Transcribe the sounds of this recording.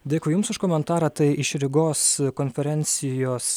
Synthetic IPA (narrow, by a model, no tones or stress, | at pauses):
d̪ʲeːkʊːjʊmsʊʃkoːmʲɛnt̪ɑːɾɐt̪ɐɪɪʃɾʲɪɡoːskoːnʲfʲɛɾʲɛnʲt̪sʲɪjoːs